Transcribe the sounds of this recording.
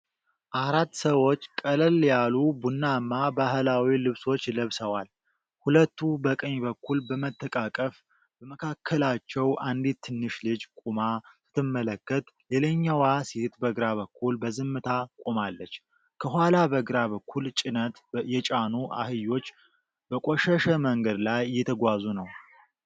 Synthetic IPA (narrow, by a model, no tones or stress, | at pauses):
ʔaɾat̪ːsəwo̞t͡ʃːkʼələljalubunːamːabahlawilɨβso̞t͡ʃːləβsəwal | hulət̪ʰːubəkʼəɲbəkːulbəmət̪ʰʼːəkʼakʼəf | b̥əməkʰakʰːəlat͡ʃːɛwʔand̪it̪ʰːɨnːɨʃlɨd͡ʒkʼumasɨ̥t̪ʰːɨmːələkːət̪leləɲːawasit̪bəɡɾaβəkʰːulbəzɨmːɨt̪ʰakʼumalːət͡ʃː | kʰəɦʷalabəɡɾaβəkʰːult͡ʃʼɪnət̪jɛt͡ʃʼanuʔa̰hɨjo̞t͡ʃː | b̥əkʼoʃəʃəməŋɡəd̪lajːɛt̪ʰəɡʷazunəw